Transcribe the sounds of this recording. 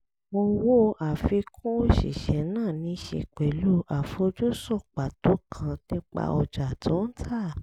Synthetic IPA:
mo˧wo˦a˨fi˧kʰũ˦o˦ʃḭ˨ʃɛ˨˦nãː˦˨nĩ˨˧˦ʃḛ˧k͡pɛ˨lu˦a˨fo˧d͡ʒu˦sɔ˦˨k͡pa˨to˨˦kʰã˧nĩ˦k͡pa̰˧ɔ˧d͡ʒa˨tʰo˨˦n̩˦tʰa˦˨

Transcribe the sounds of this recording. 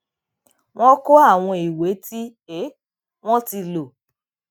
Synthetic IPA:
w̃ɔ̃˦ko˦a˦˨w̃ɔ̃˧i˨we˨˦ti˦ | e˦ | w̃ɔ̃˦ti˧lo˨

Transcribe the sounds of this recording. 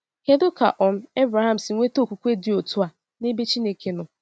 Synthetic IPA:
ke˦dʊ˦ka̰˨ʔɔ˨n̩˦e˦bɾa˨ɦa˦˨m̩˨si˨ŋʷe˦to˦˨kʷu˨kʷe˦dɪ˨o˨tu˦a˨ | ne˦be˦t͡ʃi˦ne˦ke˨nʊ˨

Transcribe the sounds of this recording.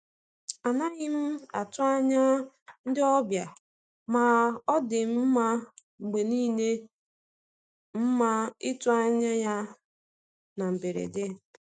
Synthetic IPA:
a˨na˦ɣɪ˦m̩˦a˨tʊ˦a˦ɲa˦ | n̩˦dɪ˦ɔ˦bja˨ | ma˨ɔ˦dɪ˨m̩˦m̩˦ma˦ | ŋ͡m̩˨ɡ͡be˨niː˦ne˦ | m̩˦ma˦ɪ˦tʊ˦a˦ɲa˦ja˦ | na˨m̩˨be˨ɾḛ˨de˦

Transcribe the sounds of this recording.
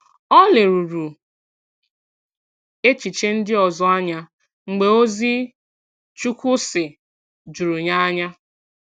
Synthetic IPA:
ɔ˦le˨ɾu˨ɾu˨ | e˦t͡ʃi˨t͡ʃe˦n̩˦dɪ˦ɔ˨zɔ˨a˦ɲa˦ | ŋ͡m̩˨ɡ͡be˨o˦zi˦ | t͡ʃu˦kʷʊ˦sɪ˨ | d͡ʒu˨ɾu˨ɲa˦a˦ɲa˦

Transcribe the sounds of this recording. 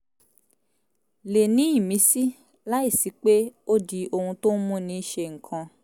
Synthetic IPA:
le˨nĩ˨˦i˦˨mĩ˨˦si˦ | la˦i˦˨si˨˦k͡pe˦o˦di˧o˧hũ˧to˦n̩˦mũ˦nĩ˧˦ʃe˧˨ŋ̩˨kʰã˧

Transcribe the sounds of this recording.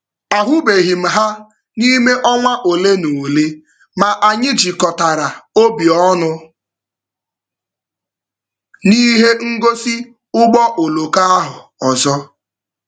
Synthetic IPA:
a˨ɦʊ˦be˨ɦi˨m̩˨ɦa˦ | ni˦me˦ʔɔ˦ŋʷa˦ʔo˨le˦no˨le˦ | ma˨ʔa˨ɲɪ˦d͡ʒi˨kɔ˨ta˨ɾa˨o˦bi˨ɔ˦nʊ˦ | ni˦ɦe˦ŋ̩˦ɡo˦si˦ | ʊ˦ɡ͡bɔ˦ʔo˨lo˨ka˦a˦ɦʊ˨ɔ˨zɔ˦

